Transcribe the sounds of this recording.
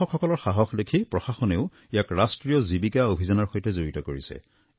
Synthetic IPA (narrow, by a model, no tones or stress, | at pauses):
ɔkʰɔkɔlɔɹxaɦɔxlekʰipɹɔxaxɔneʊ | ijakɹastɹijɔzibikaobʱizɔnaɹxojtɛzoɹitɔkoɹisɛ̰